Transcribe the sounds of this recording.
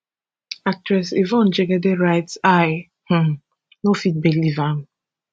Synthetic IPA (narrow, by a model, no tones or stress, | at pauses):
ak̚tɹɛsivɔ̃nd͡ʒeɡedeɹaɪtsaj | h̩ | nofit̚belivam̩